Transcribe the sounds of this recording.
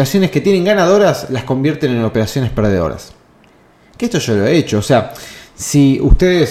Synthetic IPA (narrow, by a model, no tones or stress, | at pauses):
ɾasjo̞ne̞sket̪jenẽŋɡanaðo̞ɾaslasko̞mbjeɾt̪e̞neno̞peɾasjo̞ne̞speɾð̞eðo̰ɾa̰s | keest̪oʒolo̞eet͡ʃoːseasiṵst̪eðes